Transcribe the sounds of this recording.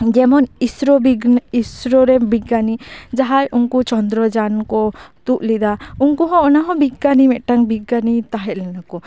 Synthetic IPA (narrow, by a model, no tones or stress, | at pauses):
d͡ʒɛmɔnisɾɔbisɾɔɾɛbiɡanid͡ʒaɦajʔunkut͡ʃɔnd̪ɾɔd͡ʒankɔt̪uʔlid̪aunkuɦɔ̃ɔnaɦɔ̃biɡanimɛʔ̪̚ʈaŋbiɡanit̪aɦɛt̪̚lɛnakɔ